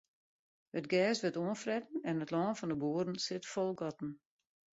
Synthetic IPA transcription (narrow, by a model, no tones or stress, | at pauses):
hətɡɛːsʋətoənfrɛtn̩ɛnətlɔːnfɔndəbuːəɾn̩sɪtfɔlˠɡɔtn̩